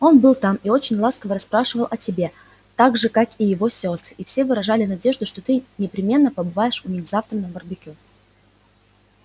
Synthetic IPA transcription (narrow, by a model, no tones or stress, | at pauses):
o̞nbɨlˠt̪amio̞t͡ɕɪnʲlˠaskəvəɾɐspɾaʂɨvəlˠɐtʲɪbʲe̞ | t̪aɡʐɨkakijɪvo̞sʲo̞st̪ifsʲe̞vɨɾɐʐalʲɪnɐdʲe̞ʐd̪ʊʂt̪ot̪ɨnʲɪpɾʲɪmʲe̞nːəpəbɨvajɪʂʊnʲɪxʲzaft̪ɾənəbərbʲɪkʲu